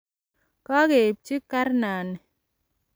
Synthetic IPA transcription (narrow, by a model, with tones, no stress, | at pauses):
ka˦ke˨p̚t͡ʃi˦kːa˦ɾna˨n˨